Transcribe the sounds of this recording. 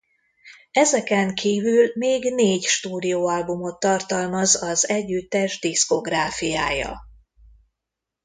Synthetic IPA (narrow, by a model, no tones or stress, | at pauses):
ɛzɛkɛŋkʰiːvylmeːɡneːɟʃt̪uːd̪ijoːɒlbumo̞t̪ːɒrt̪ɒlmɒzɒzɛɟːyt̪ːɛʒd̪isko̞ɡraːfijaːjɒ̰